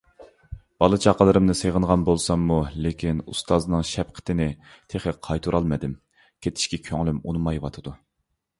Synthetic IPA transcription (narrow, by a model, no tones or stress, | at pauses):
b̥ɑlˠɨt͡ʃʰɑqʰəlˠɨɾɨmnɨseʁənʁɑnbolˠsɑmːulekʲʰinṵst̪ʰɑznɨŋʃɛpqʰə̥t̪ʰɪnɪ | t̪ʰeχəqʰɑjt̪ʰuɾʔɑlˠmɨd̪ɪm | kʲʰet̪ʰɪ̥ʃkʲɛkʲʰøŋlymunɨmɑjwɑt̪ʰɨd̪u